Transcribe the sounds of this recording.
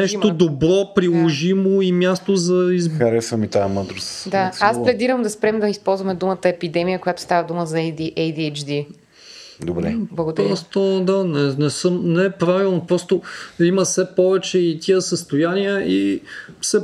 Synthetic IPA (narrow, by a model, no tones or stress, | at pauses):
nɛʃod̪obɾɔpɾilˠoʒimoimjast̪ozɐizkɐɾɛsɐmit̪aməd̪ɾosd̪aasplɛd̪iɾəmd̪ɐspɾɛmd̪ɐispɔlˠzvɐmɛd̪umət̪əɛpid̪ɛmijəkojat̪ʊ̥st̪avəd̪uməzɐiʔɛjd̪t͡ʃd̪i | d̪obɾɛ̰blˠɐɡʊd̪pɾɔst̪od̪anɛnɛsəmnɛɛpɾavilˠnopɾɔst̪oiməsɛpɔvɛt͡ʃɛit̪ʲiəsəst̪ojaniəʔi | sɛ